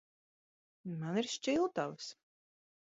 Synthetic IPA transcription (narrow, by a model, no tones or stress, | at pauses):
maniɾʃt͡ʃilˠt̪avs